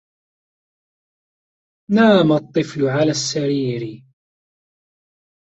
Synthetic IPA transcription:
naːmat̪ˤːɨflʕalaːsːaɾiːɾɪ

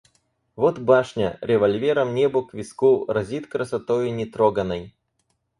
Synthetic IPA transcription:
vot̪baʂnʲə̰ɾʲɪvɐlʲvʲeɾɐmnʲebʊkvʲɪskuɾɐzʲit̪kɾəsɐt̪ojinʲɪt̪ɾoɡənəj

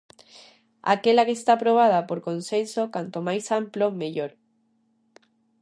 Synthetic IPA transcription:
a̰kelakeːst̪apɾoβ̞að̞apoɾkonsensokant̪omajsamplomeʎoɾ

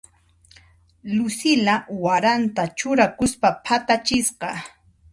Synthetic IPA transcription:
lʊsɪlawaɾant̪at͡ʃʊɾakʊspapʰat̪at͡ʃɪsqɑ

